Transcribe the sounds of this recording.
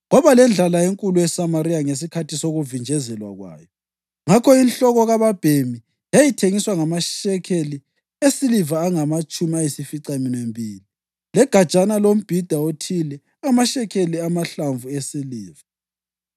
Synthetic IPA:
ɣɔβalɛnd͡ɮʱalaeŋkʼulujɛsamaɾijaŋes̬ikʰatisoɣuvind͡ʒʱɛzɛlwa̰ɣwa̰ːjɔ | ŋakʰɔinɬɔɣɔɣaβab̥ʱemi | jajitʰeŋiswaŋamaʃɛkʰeli | esilivaːŋamat͡ʃʼumiajisifiǀaminembʱiːli | lɛɡ̥ʱḁt͡ʃʼanalom̩b̥ʱid̥ʱaotʰilɛ | amaʃɛkʰeliamaɬaɱvuesiliːva

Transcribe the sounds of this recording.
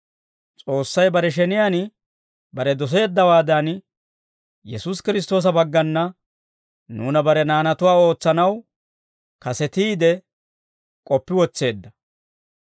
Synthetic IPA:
t͡sʼo̞ːsːɐjbɐɾɛʃ̬ɛnɪjaːn | bɐɾɛd̪ɔs̬e̞ːd̪ːɐwaːd̪an | jɛsuːskɪɾɪs̬t̪o̞ːs̬ɐbɐɡːɐnːɐ | nuːnɐbɐɾɛnaːnɐt̪ʊwaːo̞ːt͡sːɐnɐw | kɐsɛt̪iːd̪ɛ | kʼɔpːɪwɔt͡sːe̞ːd̪ːɐ

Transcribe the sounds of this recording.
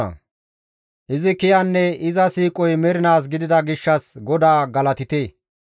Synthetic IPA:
ɐ̰ | ʔɪzɪkɪjɐnːɛɪzɐsiːkʼɔjmɛɾɪnaːs̬ɡɪd̪ɪd̪ɐɡɪʃːɐsɡɔd̪aːɡɐlɐt̪ɪt̪eː

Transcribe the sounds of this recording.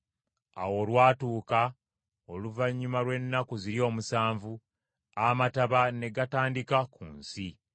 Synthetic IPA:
a̰wo̞lwaːtuːka | oluvaɲːumalwe̞nːakuziɾio̞ːmusaːɱvu | amataβane̞ɡataːndikakṵːnsi

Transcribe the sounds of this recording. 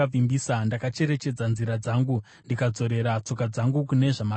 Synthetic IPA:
avimbisandakat͡ʃe̞ɾe̞t͡ʃe̞d͡zanziɾad͡zaːŋɡu | ndikad͡zo̞ɾe̞ɾat͡so̞kad͡zaŋɡukune̞ʐama

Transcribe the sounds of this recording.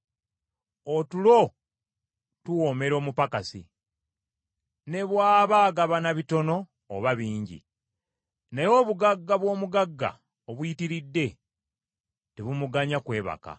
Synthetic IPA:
otulo̞ | tuwo̞ːme̞ɾo̞ːmupakasḭ | ne̞βwaːβaːɡaβanaβito̞no̞ː | βaβiːɲɟḭ | nejo̞βuɡaɡːaβwo̞ːmuɡaɡːa̰ | oβwjitiɾidːe̞ | teβumuɡaɲakwe̞ːβa̰ka̰

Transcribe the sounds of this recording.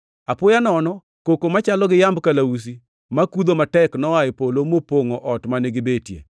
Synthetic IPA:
apʊjanɔnɔ | kokomat͡ʃalɔɡɪjambkalaus̬i | makud̪omatɛknɔaɪpolomopoŋɔʔɔtmanɪɡɪbetjḛ

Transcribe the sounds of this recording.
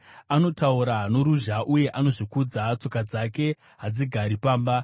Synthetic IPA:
ano̞tauɾaɦano̞ɾuʒaʔuje̞ʔano̞ʐikud͡zat͡so̞kad͡zake̞ | ɦad͡ziɡʱaɾipaːmba

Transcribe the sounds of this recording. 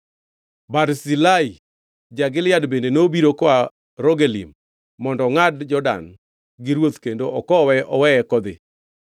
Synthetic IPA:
baɾsilai | d͡ʒaɡɪljadbendenobiɾokɔa | ɾoɡelḭmː | ɔndɔŋadd͡ʒɔda̰n | ɡɪɾwot̪kendoʔɔkɔwɛʔɔwɛɛkɔd̪ɪ̰

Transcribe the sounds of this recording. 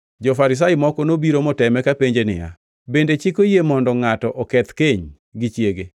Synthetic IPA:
d͡ʒofaɾɪs̬ajɪmɔkɔnobiɾomɔtɛmɛkapeɲd͡ʒenɪ̰ja̰ | bendet͡ʃɪkojemɔndɔŋatɔʔɔkɛt̪keɲ | ɡɪt͡ʃjeɡe

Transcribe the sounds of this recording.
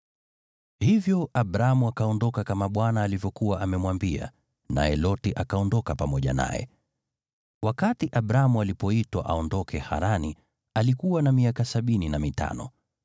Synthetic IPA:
hivjɔabɾamuakaɔndɔkakamaɓwanaːlivjɔkuwaʔamɛmwambia̰ | na̰jɛlɔtiʔakaɔndɔkapamɔʄa̰na̰jɛ̰ | wakatiʔaɓɾamualipɔitwaʔaɔndɔkʰɛha̰ɾani | alikuwanamiakasaɓininamita̰nɔ̰

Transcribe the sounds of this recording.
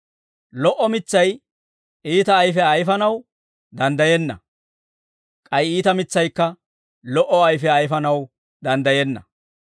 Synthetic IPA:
lɔʔɔmɪt͡sːɐj | ʔiːt̪ɐːjfɛɐjfɐnɐw | d̪ɐnd̪ɐjɛnːɐ̰ | kʼɐjiːt̪ɐmɪt͡sːɐjkːɐ | lɔʔɔɐjfɛɐjfɐnɐw | d̪ɐnd̪ɐjɛnːɐ̰

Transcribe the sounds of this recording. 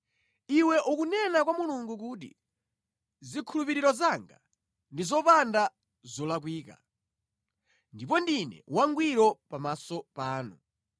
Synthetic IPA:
iwɛʔukunɛnakwamuluŋɡuk̬ut̬ḭ | zikʰulupiɾiɾɔzaŋɡa̰ | ndizɔpanda | zɔlak̬wiːka̰ | ndipɔndinɛ̰waŋɡwiɾɔpamasɔpaːnu

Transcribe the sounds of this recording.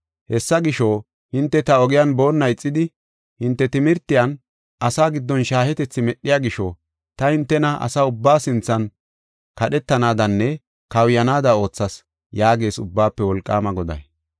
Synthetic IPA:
hɛsːɐɡɪʃoː | hɪnt̪ːɛt̪ɐɔɡɪjanbo̞ːnːɐjt͡sʼːɪd̪ɪ | hɪnt̪ːɛt̪ɪmɪɾt̪ːɪjɐn | ɐsaːɡɪd̪ːɔnʃaːhɛt̪ɛt͡sːɪmɛɗːɪjaːɡɪʃɔː | t̪ɐhɪnt̪ːɛnɐɐ̰saːʊbːaːsɪnt͡sːɐn | kɐɗɛt̪ːɐnaːd̪ɐnːɛ | kɐwjɐnaːd̪ɐo̞ːt͡sːɐs | jaːɡe̞ːsʊbːaːpːɛwɔlkʼːa̰ːmɐɡɔd̪ɐ̰j

